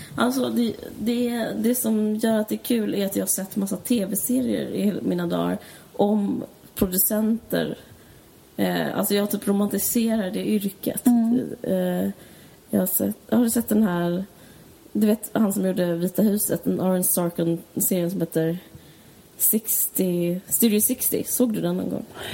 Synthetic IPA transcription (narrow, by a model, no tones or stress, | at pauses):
ʔalsɔd̪ɛd̪ɛd̪ɛsɔmjœːɾat̪̚d̪ɛːɾkʰʉ̟ːlæɾat̪jɑːhasɛt̪ːmasːat̪ʰeːvɛseːɾɪə̰ɾɪ̰hmiːnad̪ɑ̰ːɾ | ʔɔm | pʰɾʊd̪ɵsɛnt̪ə̰ɾ | a̰lsɔjɑːhat̪ʰyːpɾʊmant̪ɪseːɾaɖɛʏɾkə̰t̪ | jɑ̰ːhasɛ̰t̪jhad̪ɵsɛt̪̚ːd̪ɛnhæːɾ | d̪ɵveːt̪hansɔmjuːɖəviːt̪ahʉ̟ːsət̪ɛnɑɾənst̪ɑːɾkɔnseːɾɪənsɔmheːt̪ːəɾ | sɪkst̪ɪst̪ʉːɾɪʊsɪkst̪ɪ̰soːɡd̪ɵd̪ɛnːɔ̰nɡɔ̰ŋː